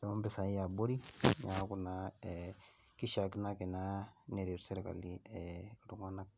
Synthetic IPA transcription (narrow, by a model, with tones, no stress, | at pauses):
da˨ma˦mbe˨sa˨˦a˨bo˦ɾi˦ɲa˨˦ku˨na˦˨ | ki˦ʃa˨ki˦na˦ke˨na˦ne˨ɾi˨ɾse˦ɾe˨ka̰˨li˦e˨ɾu˨ŋa˦na˦k̚